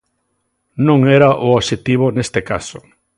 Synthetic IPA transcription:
nõŋɛɾaʔooʃet̪iβ̞onest̪eka̰so

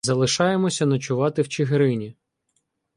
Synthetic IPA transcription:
zɐlˠɪʃɑjemɔsʲɐnɐt͡ʃʊʋɑt̪ɪwt͡ʃɪɦɾɪnʲi

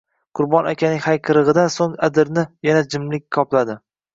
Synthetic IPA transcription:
qʰʊɾbɒnakʲʰanɪŋʲhajqʰɨɾɨʁɨd̪ansoŋad̪ɪɾnɪjanad͡ʒɪmlɪkʲkʰɒplad̪ɪ

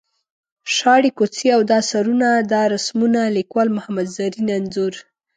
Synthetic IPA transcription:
ʃɑɽikot͡siawd̪ɑsaɾunad̪ɑɾasmunalikwɑlmʊhamad̪zaɾinanzuɾ

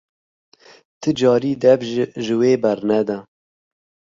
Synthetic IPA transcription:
t̪ʰɨd͡ʒɑːɾiːd̪ɛbʒʒɨweːbɛɾnɛd̪ɛ

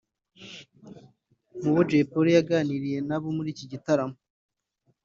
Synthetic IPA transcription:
muβod͡ʒepoɾijaɡaniɾije̞naβomuɾiːciɟitaɾamo

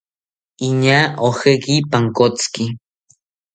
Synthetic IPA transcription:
iɲaʔohekipaŋkot͡ski

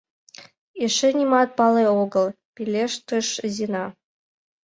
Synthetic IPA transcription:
eʃɘ̆nʲimɑt̪̚pɑleoɡɤ̆lˠ | pʲilʲeʃt̪ɨʃzʲinɑ

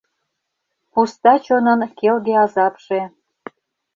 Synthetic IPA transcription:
pust̪ɑt͡ɕonənkelɣeɑzɑpʃe

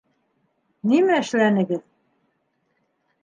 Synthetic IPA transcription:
nimæɘ̆ʃlænɘ̆ɡɘð

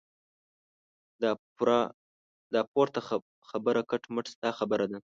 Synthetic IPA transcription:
d̪ɑpoɾt̪a | xabəɾakaʈməʈst̪ɑxabəɾad̪a

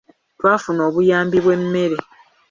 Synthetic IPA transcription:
twaːfuno̞ːβujaːmbiβwe̞mːe̞ɾe

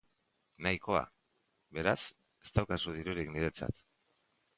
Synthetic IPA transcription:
najko̞a̰ | be̞ɾas | e̞̥st̪awkasuð̞iɾuɾikniɾe̞t͡sa̰t̪

